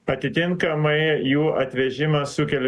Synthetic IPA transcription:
ɐt̪ʲɪt̪ʲɪŋkɐmɐɪjuːʔɐt̪ʲʋʲɛʒʲɪmɐsʊkʲɛlʲ

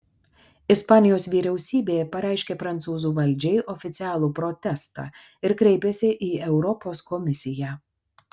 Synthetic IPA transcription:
ɪspɑːnʲɪjoːsʋʲiːɾʲɛʊsʲiːbʲeːjɛpɐɾʲæˑɪʃʲkʲeːpɾɐnt̪suːzuːʋɐlʲˑd͡ʒʲɛɪʔɔfʲɪt̪sʲɪæːlˠuːpɾɔt̪ʲɛst̪ɑ̰ː | ɪɾkɾʲɛɪpʲesʲɪʔiːɛʊɾɔpoːskɔmʲɪsʲɪjæː

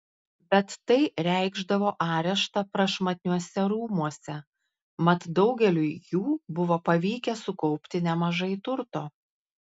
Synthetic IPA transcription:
bʲɛt̪ːɐɪɾʲæˑɪɡʒd̪ɐʋoːʔɑːɾʲɛʃt̪ɐpɾɐʃmɐt̪ʲnʲuɔsʲɛɾuːmuɔsʲɛ | mɐt̪d̪ɒʊɡʲɛlʲʊjuːbʊʋoːpɐʋʲiːkʲɛsʊkɒʊpʲt̪ʲɪnʲɛmɐʒɐɪt̪ʊɾt̪oː

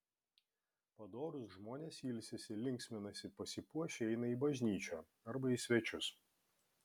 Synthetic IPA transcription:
pɐd̪oːɾʊsʒmoːnʲeːsiːlʲsʲɪsʲɪlʲɪŋʲksʲmʲɪnɐsʲɪpɐsʲɪpuɔʃʲeɛɪnɐiːˑbɐʒʲnʲiːt͡ʃʲoː | ɐɾbɐisʲʋʲɛt͡ʃʲʊs

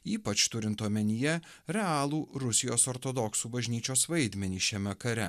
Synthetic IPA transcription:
iːpɐt͡ʃt̪ʊɾʲɪnt̪oːmʲɛnʲɪjɛ | ɾʲɛɑːlˠuːɾʊsʲɪjoːsoɾt̪od̪ɔksuːbɐʒʲnʲiːt͡ʃʲoːsʋɐɪd̪ʲmʲɛnʲiːʃʲɛmʲɛkɐɾʲɛ

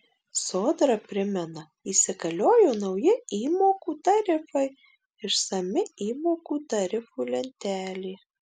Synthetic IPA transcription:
soːd̪ɾɐpʲɾʲɪmʲɛnɐ | isʲɪɡɐlʲoːjoːnɐʊjɪiːmoːkuːt̪ɐɾʲɪfɐɪ | ɪʃsɐmʲɪiːmoːkuːt̪ɐɾʲɪfuːlʲɛnʲt̪ʲæːlʲeː

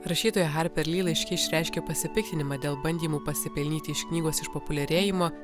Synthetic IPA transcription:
ɾɐʃʲiːt̪oːjɛɣɑɾʲpʲɛɾʲlʲiːlˠɐɪʃʲkʲɛɪʃʲɾʲæˑɪʃʲkʲeːpɐsʲɪpʲɪk̚ʲt̪ʲɪnʲɪmɑːd̪ʲeːlˠbɐnʲd̪ʲiːmuːpɐsʲɪpʲɛlʲnʲiːt̪ʲɪɪʃkʲnʲiːɡoːsɪʃpɔpʊlʲɛɾʲeːjɪmoː

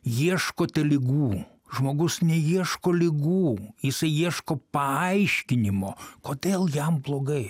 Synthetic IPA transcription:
jiɛʃkoːt̪ʲɛlʲɪɡuː | ʒmoːɡʊsnʲɛjiɛʃkoːlʲɪɡuːjɪsɐɪjiɛʃkoːpɐɐɪʃʲkʲɪnʲɪmoːkoːd̪ʲeːlˠjɛmblˠoːɡɐɪ

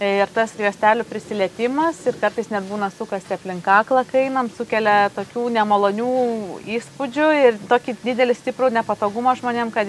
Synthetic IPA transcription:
ɪrt̪ɐsɡʋʲiɛsʲt̪ʲæːlʲʊpʲɾʲɪsʲɪlʲɛt̪ʲɪmɐsɪrkɐrt̪ɐɪsnʲɛd̪̚buːnɐsʊkɐst̪ʲɪɐpʲlʲɪŋkɑːklˠɐkɐɪnɐmsʊkʲɛlʲɛt̪oːkʲuːnʲɛmɐlˠoːnʲuːiːspʊd͡ʒʲʊɪrt̪oːkʲid̪ʲɪd̪ʲɛlʲɪsʲt̪ʲɪpɾuːnʲɛpɐt̪oːɡʊmɐʒmoːnʲeːmkɐt̪

